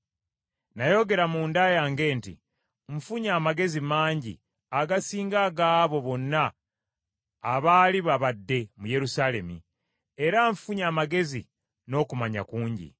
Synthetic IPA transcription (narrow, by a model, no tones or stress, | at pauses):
najo̞ɡe̞ɾamuːndajaːŋɡe̞ːntḭ | ɱ̩fuɲaːmaɡe̞zimaːɲɟḭ | aɡasiːŋɡaɡaːβo̞βo̞nːa | βaːliβaβadːe̞muje̞ɾusaːle̞̰mḭ | e̞ɾaɱfuɲaːmaɡe̞zḭ | no̞ːkumaɲa̰kuːɲɟḭ